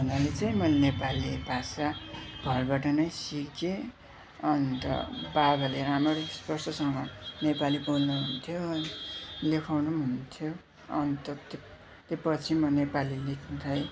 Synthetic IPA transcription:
bʱʌnalet͡saj̃mʌnepalːebʱasaɡ̥ʱʌrbaʈʌnʌjsike | ʌnt̪ʌ̰baɡʱʌleɾamʌɾspʌrsʰʌsʌŋʌnepalibolnuɦunt̪ʰjoʌnilekʰawnuɦunt̪ʰjo | ʌnt̪ʌt̪e | t̪epʌt͡sʰimʌnepalilekʰnut̪ʰʌj

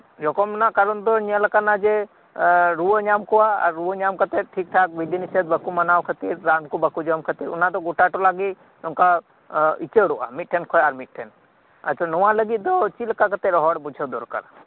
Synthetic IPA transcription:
d͡ʒɔkɔmnakaɾund̪ɔɲələkanad͡ʒe | ɾuəɲamkɔwaə̰ɾːuəɲamkət̪eʈʰik̚t̪ʰak̚ʋid̪inised̪bəkumənawkʰət̪iɾɾankubəkud͡ʒəmkʰət̪iɾṵnad̪ɔɡuʈaʈɔlaɡi | uŋka | it͡ʃeɽuʔa̰miʈ̚ʈʰːenkʰɔjaɾmiʈ̚ʈʰen | ə̰t̪t͡ʃʰanuwãləɡid̪ɔt͡ʃiləkakət̪eɾɦɔɽbud͡ʒʰʱəd̪ɔɾkə̰ɾ

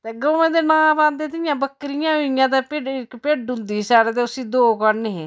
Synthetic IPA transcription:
t̪eːɡəmẽːd̪eːnãːpãːnd̪eːt̪ɪɪjãːbəkːɾɪjãːʊɪjãːt̪eːpeɪkpeːɖʊ̃nd̪iːsaːɽeːt̪eːʊsiːd̪oːkəɾneːɦeː

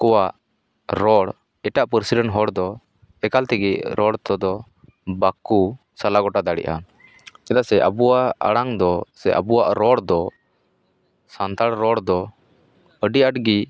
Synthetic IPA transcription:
kɔwaʔ | ɾɔɽ | ɛʈaʔpəɾsiɖəɳɦɔɽd̪ɔ | ɛkalt̪ɛɡiʔɾʔɔɽt̪ɔd̪ɔ | baku | salaɡɔʈad̪aɽḭʔa̰ | ɛd̪asɛʔa̰buwaa̰ɽaŋd̪ɔsɛʔə̰buaʔɾɔɽd̪ɔ | sant̪aɽɾɔɽd̪ɔ | əɖiaʈɡi

